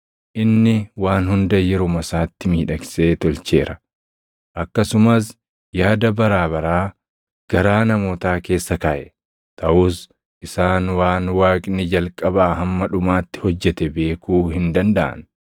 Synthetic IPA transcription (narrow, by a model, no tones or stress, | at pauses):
ʔɪnːɪwaːnhʊnd̪ɐjɛɾʊmɐsaːt̪ːɪmiːᶑɐkse̞ːt̪ɔlt͡ʃe̞̰ːɾɐ | ʔɐkːɐsʊmɐs̬ | jaːd̪ɐbɐɾaːbɐɾaː | ɡ̥ɐɾaːnɐmo̞ːt̪aːke̞ːsːɐkaʔɛ | t̪ʰɐʔuːs | ʔɪsaːnwaːnwaːkʼnɪd͡ʒɐlkʼɐbaːɦɐmːɐᶑʊmaːt̪ːɪ̥hɔd͡ʒːɛt̪ɛbe̞ːkuːhɪnd̪ɐnd̪ɐʔɐ̰n